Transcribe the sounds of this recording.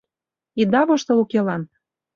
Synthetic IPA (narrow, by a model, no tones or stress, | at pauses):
id̪ɑβŏʃt̪ɤ̆ukelɑn